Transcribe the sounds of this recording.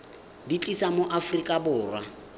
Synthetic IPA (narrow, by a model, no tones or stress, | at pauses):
dit͡ɬʼisamoʔafrikʼabʊːrwa